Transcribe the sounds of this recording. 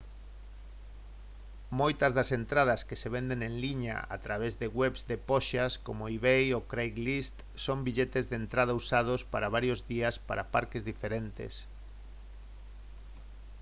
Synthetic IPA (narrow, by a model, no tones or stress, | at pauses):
mojt̪ɐzðɐsent̪ɾaðɐskeseβend̪eŋeŋliɲa̰a̰t̪ɾaβ̞ezðeɣwɛβzd̪epɔʃaskomoiβejokɾejɣlist̪ | sombiʎet̪ezðent̪ɾaðausað̞ospaɾaβ̞aɾjozðiɐspa̰ɾapaɾkezðifeɾent̪ḛs